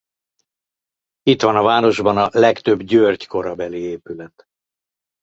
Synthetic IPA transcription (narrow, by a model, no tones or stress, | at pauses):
it̪ʋɒnɒvaːno̞ʒbɒnɒlɛkt̪ø̞bɟøːrɟko̞ɾɒbɛlieːpylɛt̪